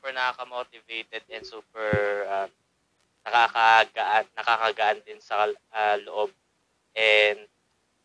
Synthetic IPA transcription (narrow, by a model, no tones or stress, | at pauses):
upɛɹnɐkakɐmoːt̪ɪvejt̪ɛd̪̚ɛnsuːpɛɹʔɐm | nɐkaːkɐɡɐʔanːɐkaːkɐɡɐʔand̪ɪnsɐaloʔob̚ | ʔɛnd̪̚